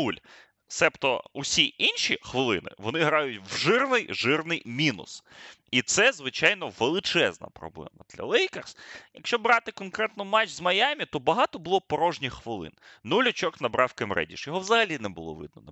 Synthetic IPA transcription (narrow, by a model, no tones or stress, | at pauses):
nulʲ | sɛpt̪ɔ̰usʲiinʲʃixʋɪlˠɪnɪ̰ʋɔnɪɦɾɑjʊtʲwʒɪrnɪjʒɪrnɪjmʲinʊ̰sit̪sɛzʋɪt͡ʃɑjnɔʋelˠɪt͡ʃɛznɐ̰pɾɔ̰blˠɛ̰mɐd̪̥lʲɐ̰lˠɛjkɐrsjɐkʃt͡ʃɔbɾɑt̪ɪkɔnkɾɛt̪nɔmat͡ʃzmɐjamʲit̪ɔbɐɦɑt̪ɔbʊlˠɔpɔɾɔʒnʲixxʋɪlˠɪ̰nnulʲʊt͡ʃɔknɐbɾʔɑwkɪmɾɛ̰dʲḭʃjɔɦɔwzɐɦɐlʲinɛbʊ̰lˠɔ̰ʋɪ̰d̪̚nɔn